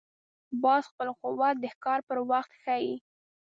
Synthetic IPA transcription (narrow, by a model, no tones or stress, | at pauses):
bɑzxpəlqʊwat̪̚d̪əhkɑɾpəɾwaxt̪xaji